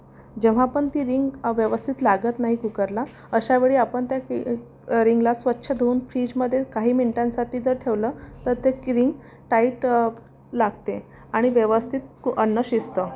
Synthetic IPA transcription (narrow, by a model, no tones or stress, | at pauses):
d͡ʑeʋ̤aːpəɳt̪iːɾiŋɡʋjəʋəst̪ʰit̪laɡət̪naɦikukəɾla | əɕaʋeɭiːapəɳt̪ja | ɾiŋɡlasʋətːɕʰəd̪ʱeuːnfɾid͡ʑməd̪ʱjekaɦiːmiɳʈãnsaʈʰiːd͡zəɾʈʰeʋlət̪əɾt̪ekɾiŋɡ | ʈaiʈ | laɡ̚t̪e | aɽ̃iʋəʋəst̪ʰit̪ənːəɕist̪ə